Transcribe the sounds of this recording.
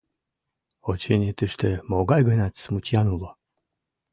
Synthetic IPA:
ot͡ɕenʲet̪əʃt̪emoɡɑjɡənæt̪smut̪ʲjanulˠo

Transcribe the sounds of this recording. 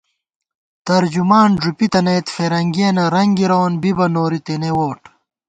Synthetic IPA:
t̪ɐɾd͡ʑumaːnʐupit̪ɐneːt̪feːɾɐŋɡieːnɐɾɐŋɡiɾoːnbibɐnoːɾit̪enewoːʈ

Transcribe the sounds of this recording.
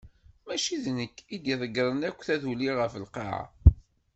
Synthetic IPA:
mæʃiðnəkːid̪iðˤəɡɾˤənækʷːθæðuliʁəfəlqɑ̰ʕa̰

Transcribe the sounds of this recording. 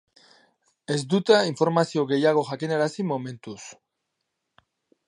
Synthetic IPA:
e̞zd̪ut̪aiɱfo̞ɾmasio̞ɣe̞jaɣo̞ʝakineɾasimo̞mẽ̞nt̪us

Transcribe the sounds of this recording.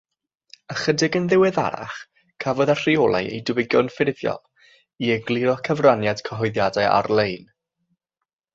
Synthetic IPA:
əχədɪɡənðɪwɛða̰ɾa̰χ | kʰavɔðar̥iɔlˠa̰jḛjdəwɪɡjɔnfɪrvjɔ̰lˠ | iəɡlˠɪɾɔkʰəvranjad̥kʰəɦɔɨðjadaɨʔa̰rlˠejn

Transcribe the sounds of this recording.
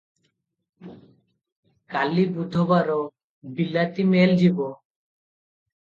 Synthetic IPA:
kalibɾud̪ʱobaɾo | bilat̪imeld͡ʑibo

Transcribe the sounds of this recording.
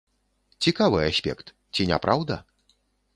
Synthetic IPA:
t͡sʲikavɨasʲpʲɛ̰kt̪ | t͡sʲinʲa̰pɾawd̪ɐ

